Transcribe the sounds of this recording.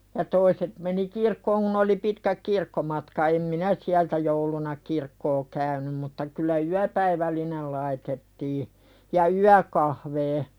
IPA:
jɑ toiset meni kirkːoːŋ kun oli pitkæk kirkːomɑtkɑ em minæ siæltæ joulunɑ kirkːoː kæynym mutːɑ kylːæ yæpæiʋælːinel lɑitetːiː jɑ yækɑhʋeː

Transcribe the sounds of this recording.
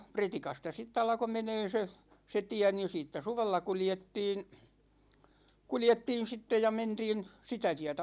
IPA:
pretikɑstɑ sitː ɑlko meneː se se tiæ ni siːtːæ suʋelːɑ kuljetːiːn̞ kuljetːiːn̞ sitːe jɑ mentiːn sitæ tiætæ

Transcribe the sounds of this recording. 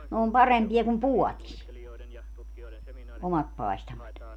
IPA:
ne om pɑrempiɑ kum puɔtis omɑt pɑestɑmɑt

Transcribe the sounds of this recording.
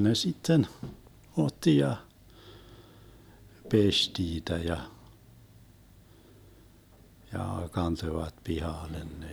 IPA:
ne sitːen otːi jɑ pesʲ tiːtæ jɑ jɑ kɑntoĭʋɑt pihɑˑlen ne

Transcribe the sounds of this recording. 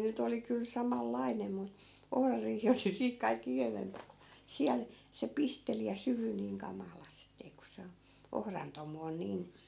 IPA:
nyt oli kyl sɑmɑlːɑinem mu ohrɑriːhi oli siːk kɑikː ikæʋempæ siæl se pisteli jɑ syhy niːŋ kɑmɑlɑsteː ku se o ohrɑn tomu on niːn

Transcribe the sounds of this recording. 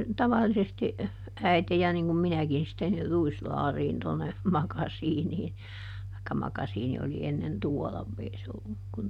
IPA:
tɑʋɑlːisesti æite jɑ niŋ kum minækin sitːen ni ruislɑːriːn tonːe mɑkɑsiːniː tɑikːɑ mɑkɑsiːni oli enːen tuɔlɑ ei se olːuk kun

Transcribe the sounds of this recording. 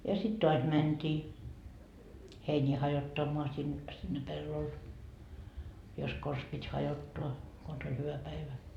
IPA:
jɑ sit toɑs mæntʲiː heinʲiː hɑjotːɑmːoɑ sin sinːe pelːol jos kos pitʲ hɑjotːoɑ kons olʲ hyʋæ pæiʋæ

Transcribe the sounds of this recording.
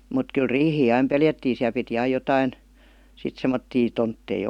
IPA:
mut kyl riːhiː ɑim peljætːiːn̞ siæl piti ɑij jotɑin sit semːotːiː tontːei

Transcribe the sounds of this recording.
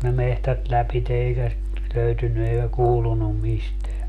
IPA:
ne mehtæt læpite eikæ sit løytynːy eikæ kuːlunum misteæ

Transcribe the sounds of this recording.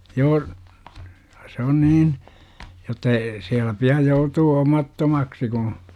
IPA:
joː se on niːn jotːɑ eː siælːæ piɑ joutuː omɑtːomɑksi kũː

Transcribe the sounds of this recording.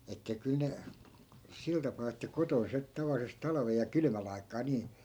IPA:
etːæ kyl ne sil tɑpɑː etːæ koton se tɑʋɑlːises tɑlɑ̆ʋej̆ jɑ kylmæl ɑi̯kˑɑː niː

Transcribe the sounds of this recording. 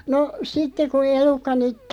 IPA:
no sitːe ku elukːɑ nyt

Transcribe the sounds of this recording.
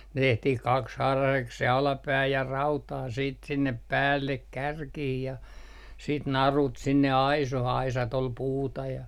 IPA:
tehtih kɑkshɑːrɑseks se ɑlɑpæː jɑ rɑutɑː siːt sinːep pæːlːek kærkih jɑ siːt nɑrut sinːe ɑisoh ɑisɑt ol puːtɑ jɑ

